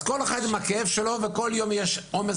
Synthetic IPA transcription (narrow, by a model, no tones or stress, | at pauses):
ko̞lexad̪imakeevʃelo̞veko̞ljo̞mjeʃome